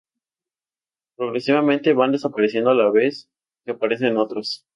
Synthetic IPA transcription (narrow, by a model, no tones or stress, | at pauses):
pɾo̞ɣɾe̞siβamẽnt̪e̞βand̪e̞sapaɾesje̞nd̪oalaβe̞s | keapaɾe̞s̬e̞no̞t̪ɾos